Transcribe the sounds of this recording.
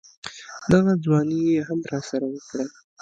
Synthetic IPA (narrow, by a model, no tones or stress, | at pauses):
d̪aɣad͡zwɑnijeɦamɾɑsaɾawəkɽa